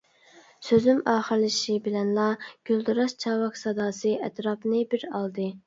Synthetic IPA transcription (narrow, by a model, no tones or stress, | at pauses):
søzymɑːχəɾlɪʃibɪlɛnlˠɑɡ̥ʲyld̪uɾɑʃt͡ʃʰɑːwɑksɑd̪ɑːsɨʔɛt̪ɾɑpnɨbɪɾɑlˠd̪ɨ